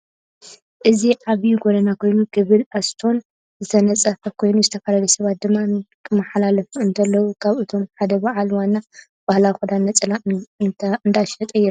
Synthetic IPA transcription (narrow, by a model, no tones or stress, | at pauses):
ʔɨziʕaβjuɡod̪ɐnakʰo̞jnuɡɨβɨlast̪ʰo̞n | zɨt̪ʰɐnɐt͡sʼɐfɐkʰo̞jnuzɨt̪ʰɐfalɐlɐsɐβat̪̚d̪ɨmːankʰɨmaħlalɐfuɨnt̪ʰɐlːɐwukʰaβɨt̪ʰo̞mħad̪ɐbaʕalwanːa | b̥ahlawxud̪anːɐt͡sʼɨla | ɨnd̪aʃɐt̪ʼɐjːɛɾu